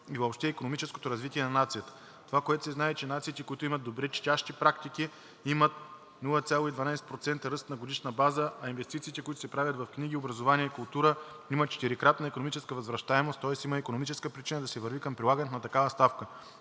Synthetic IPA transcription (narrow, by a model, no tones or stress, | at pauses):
ivoːpʃt̪ɛikonomit͡ʃɛsko̥t̪oɾɐzvit̪iɛnɐnat̪sijət̪ə̥ | t̪ovakoɛt̪ʊ̥sɛznaɛt͡ʃɛnat̪sit̪ɛkoit̪ʊimət̪̚d̪obɾɛt͡ʃtʲaʃt̪ipɾakt̪iki | imət̪ | nulˠəət̪sʲalˠoid̪vɐnajsɛt̪̚pɾot̪sɛnt̪əɾɤst̪nɐɡod̪iʃnəbazəʔɐinvɛst̪it̪siːt̪ɛkoit̪ʊsɛpɾavʲət̪vɐfkniɡ̟iobɾɐzovaniɛikʊlˠt̪uɾə | imət̪̚t͡ʃɛ̥t̪iɾikɾat̪nəikonomit͡ʃɛskəvɐzvɾɐʃt̪aɛmost̪ːɔɛsiməikonomit͡ʃɛskəpɾit͡ʃinəd̪ɐsɛvəɾvikəmpɾʲilˠaɡənɛt̪nɐt̪ɐkavəst̪afkə